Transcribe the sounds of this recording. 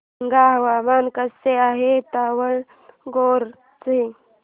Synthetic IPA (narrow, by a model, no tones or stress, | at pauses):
ŋɡaːɦɐwaːmaːnkɐseaːɦet̪aːwəɳ | ɡoːɾ | t͡si